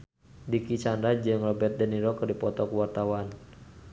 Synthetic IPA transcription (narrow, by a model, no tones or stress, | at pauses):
dikit͡ʃandɾad͡ʒɨŋrɔbɛrt̪̚dɛniɾɔkɨrdipɔt̪ɔkuwart̪awan